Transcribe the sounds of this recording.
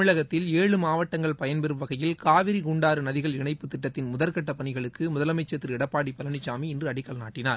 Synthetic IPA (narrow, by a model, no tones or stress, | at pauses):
ɪɭɐɣɐt̪ːɪleːɻɯmaːʋɐʈːɐŋɡɐɭpɐjɐnpɛɾɯmʋɐɣɐjɪlkaːʋɪɾiɡuɳɖaːɾɯnɐðɪɣɐɭɪɳɐɪpːɯt̪ːɪʈːɐt̪ːɪnmʊðɐlkɐʈːɐpːɐɳɪɣɐɭɯkːɯmʊðɐlɐmɐɪt͡ʃːɐt̪ːɪɾɪɽɐpːaːɽipɐlɐnɪt͡ʃːaːmiɪndrɯɐɽɪkːɐlnaːʈːɪnaː